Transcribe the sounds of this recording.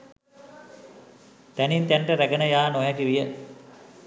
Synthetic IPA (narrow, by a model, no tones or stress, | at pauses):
t̪ænint̪æɳʈəɾæɡənəjaːnoɦɛɡiʋijə